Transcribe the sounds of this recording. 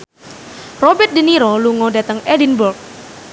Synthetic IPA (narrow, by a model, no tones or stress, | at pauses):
rɔbɛrt̪̚diniɾɔluŋɔdat̪əŋɛdinbɔrk̚